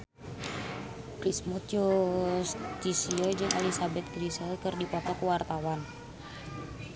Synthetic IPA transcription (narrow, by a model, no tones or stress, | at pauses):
pɾismɔt̪just̪isiɔd͡ʒɨŋʔalisabɛt̪̚kɾisɛlkərdipɔt̪ɔkuwart̪awan